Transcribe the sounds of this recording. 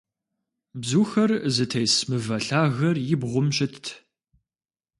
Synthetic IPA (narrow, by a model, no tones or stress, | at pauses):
bzuːxɐrzɨtʰɐjsmɨvɐɬaːɣɐrjɪbʁʷʊmɕʼɪtʰtʰ